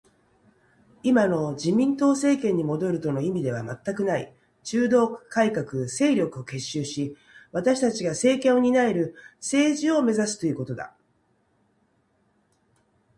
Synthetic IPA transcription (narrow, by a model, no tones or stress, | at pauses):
imano̞d͡ʑimʲĩnt̪o̞ːse̞ːkẽ̞ɲ̟ːimo̞d̪o̞ɾɯ̟t̪o̞no̞imʲid̪e̞βamat̪ːakɯ̟naḭ | t͡ɕɨːd̪o̞ːkaikakɯ̟se̞ːɾʲo̞kɯo̞ke̞ɕːɨːɕi | βat̪aɕi̥t̪at͡ɕiɡase̞ːkẽ̞ɰo̞ɲ̟inaeɾɯ̟se̞ːʑio̞me̞zasɨ̥t̪o̞jiɯ̟ko̞t̪o̞d̪a̰